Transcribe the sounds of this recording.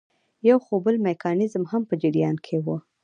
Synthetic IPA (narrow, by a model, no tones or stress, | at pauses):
jawxobəlmekɑnɪzmhampəd͡ʒɪɾijɑnkʰewə